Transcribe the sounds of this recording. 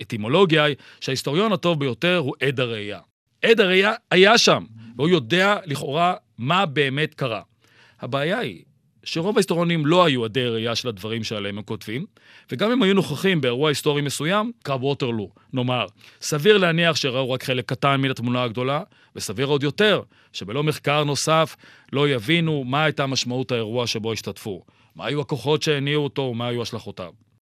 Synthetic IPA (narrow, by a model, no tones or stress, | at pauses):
etimo̞lo̞ɡiai | ʃeaist̪o̞ʁjo̞nato̞vbejo̞te̞ʁɦuʔedaʁeja̰ | ʔed̪aʁejaːjaʃamvehujo̞de̞aliχo̞ʁamabe̞ːme̞tkaʁa̰ | habeːjaḭ | ʃeʁo̞vaist̪oʁjonimlo̞ajuade̞jʁejaʃelad̪vaʁimʃealeememko̞tvim | veɡamimhajunoχaχimbeːʁuaisto̞ʁimesujamkʁabʁo̞te̞ʁlu | no̞maʁsaviʁleaniaχʃeʁauʁakχe̞lekːatanminatmunaaɡd̪o̞la | vesaviʁo̞d̪jo̞te̞ʁ | ʃebe̞lo̞me̞χkaʁno̞saf | lo̞javinumaajtamaʃmauthaeʁuaʃe̞bo̞iʃtatfu | ma̰ːjuako̞χo̞tʃe̞eniuoto̞omaːjuaʃlaχo̞ta̰v